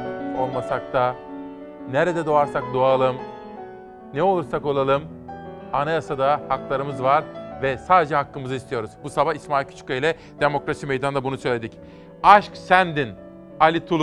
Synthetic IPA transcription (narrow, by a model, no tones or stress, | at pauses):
o̞lˠmasak̚t̪ʰa | neɾɛd̪ɛd̪oaɾsak̚d̪oalˠɯm | nɛo̞lˠuɾsako̞lˠalˠɯm | anajasad̪ahaklˠaɾɯmɯzvaɾvɛsaːd̪e̞d͡ʒɛɦakːɯmɯzɯist̪ʰijo̞ɾuz̥busabahismaːilʲcʰy̥t͡ʃʰy̥cailʲɛ | d̪e̞mo̞kɾasimejd̪and̪abunusø̞jlʲe̞d̪ic | aʃksænd̪in | alʲit̪ʰulˠ